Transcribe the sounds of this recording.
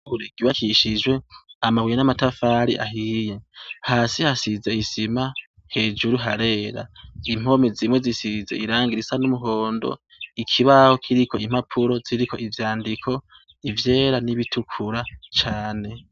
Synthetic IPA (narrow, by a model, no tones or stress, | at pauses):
uɾeɡiwakiʃid͡ʒwe̞amaβwijenamatafaːɾiʔa̰ɦiːje̞haːsihasize̞isima | he̞ːd͡ʒuɾuɦaɾe̞ːɾa̰im̥o̞mezimwe̞zisize̞iɾaːŋɡiɾisanumuɦo̞ːndo̞̰ | ikʰiβaho̞kʰiɾikʰo̞im̥hapʰuɾo̞ziɾikʰo̞ʔivjaːndikʰo̞ | ivje̞ːɾaniβitukʰuɾat͡ʃaːne̞